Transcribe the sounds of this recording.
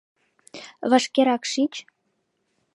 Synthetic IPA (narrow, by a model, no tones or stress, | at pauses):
βəʃkeɾɑkʃit͡ɕ